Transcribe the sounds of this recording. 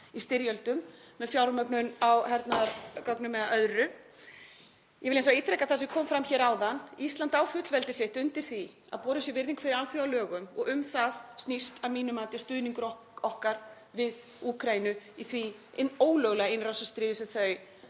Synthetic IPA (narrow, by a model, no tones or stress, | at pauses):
ist̪ɪɾjœlt̪ʏmmɛðfjawɾmœpnʏnawhɛɾt̪naɾkɔknʏmːɛðaʔœðrʏ | jʔɛvɪlens̬ait̪ɾɛkaðθasɪkʰɔːmfɾamçɛːɾaːwðanist̪lant̪awfʏt̪lvɛlt̪ɪsɪht̪ʏnt̪ɪɾ̥θi | a̰ðpɔːɾʏsjɛvɪɾðiŋkfɪɾɪɾalθjiawlœːɣʏmɔ̰ɣʏmθaðst̪nist̪amiːnʏmaːt̪ɪ̥st̪ʏðniŋkʏɾɔ | ɔhkaɾ̥ | vɪð | uːkʰɾajinʏiθvi | oːwlœɣlɛɣaɪnrasast̪ɾiːðɪsɛθœɥ